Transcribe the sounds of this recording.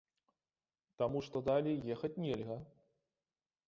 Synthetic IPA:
t̪amuʂt̪ɔd̪alʲijɛxɐt͡sʲnʲelʲɣɐ

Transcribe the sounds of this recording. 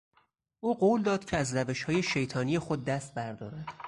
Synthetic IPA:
ʔuːɢoːld̪ɒːd̪̥cʰeæzræve̞ʃhɒːjeʃe̞jt̪ʰɒːnijexod̪̚ːæst̪̚bæɾd̪ɒ̰ːɾæd̪̥

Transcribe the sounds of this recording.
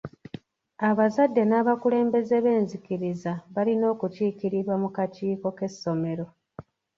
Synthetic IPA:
aβazadːe̞naːβakule̞ːmbe̞zeβe̞ːnzikiɾizaβalino̞ːkuciːkiɾiɾwamukaciːko̞ke̞sːo̞me̞ɾo̞

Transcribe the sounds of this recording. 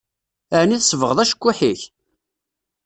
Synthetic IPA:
əʕniθəsvəʁəðˤæʃə̥kʷːuħiç

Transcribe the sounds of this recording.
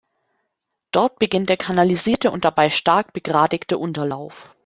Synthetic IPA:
d̥ɔɐt̚b̥əɡɪnt̚d̥eːɐkʰanaliziːɐtəʊ̰nt̚d̥abaɪʃtaɐk̚b̥əɡʁaːdɪktəʔʊntɐlaʊf

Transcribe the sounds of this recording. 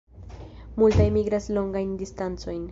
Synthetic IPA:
multajmiɡɾaslo̞ŋɡajndistant͡so̞jn

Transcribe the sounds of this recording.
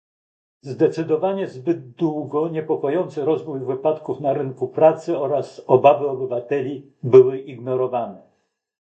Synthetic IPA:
zd̪ɛt̪sɘd̪ɔvaɲɛzbɘd̪̚d̪wuɡɔɲɛpɔkɔjɔnt̪sɘɾɔzvujvɘpat̪kufnaɾɘŋkupɾat̪sɘɔɾasɔbavɘɔbɘvat̪ɛlʲi | bɘwɘʔiɡnɔɾɔvanɛ

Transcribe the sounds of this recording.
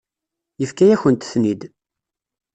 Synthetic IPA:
jəfkæjæçənt̪θnid̪

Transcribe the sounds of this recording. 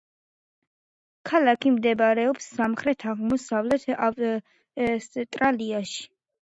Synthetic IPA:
kʰalakʰimd̪ɛbaɾɛɔpsːamχɾɛt̪ʰaʁmɔsavlɛt̪ʰaf | st̪ʼɾaliaʃi̥

